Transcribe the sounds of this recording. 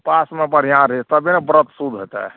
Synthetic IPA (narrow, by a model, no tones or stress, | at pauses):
pasmebəɽ̤ijãɾit̪əbinebɾət̪sud̪ʱɦot̪ɛ̰